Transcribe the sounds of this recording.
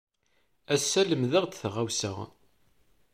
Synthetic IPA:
æsːæləmðəʁd̪θʁawsə̰ʁ

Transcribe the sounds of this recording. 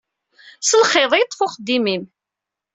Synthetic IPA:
səlχeðˤjət̪ˤːfʊχəd̪ːimim

